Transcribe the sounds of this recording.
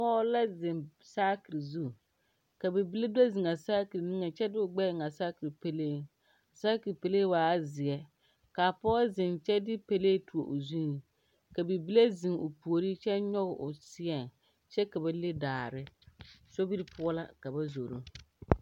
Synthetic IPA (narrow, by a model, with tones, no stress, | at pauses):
pɔː˦la˦zɪ˨msaː˦ki˨ɾi˨zu˦˨ | ka˨bi˨bi˦la˦da˦zi˨ŋa˨saː˦ki˨ɾi˨nɪ˦ŋa˨t͡ʃɛ˦dɪ˦ʊ˨ɡ͡bɛ˦˨ŋa˨saː˦ki˨ɾi˨pe˦leː˦ | a˨saː˦ki˨ɾi˨pe˨leː˦waː˨˦zɪ˨ɛ˦ | ka˨pɔː˦zɪ˨nt͡ʃɛ˦dɪ˦pe˨leː˦tu˨o˨ʔʊ˨zu˦˨ | ka˨bi˨bi˦le˦zi˨ŋʊ˨pu˨o˨ɾi˦t͡ʃɛ˦ɲɔ˦ɣɪ˨ʔʊ˨sɪ˦ɛ˨ŋ | t͡ʃɛ˦ka˨ba˨lɪ˦daː˨ɾɪ˦so˦bi˦ɾi˨pʊ˦ɔ˦la̰˦ka˨ba˦zo˨ɾo̰˦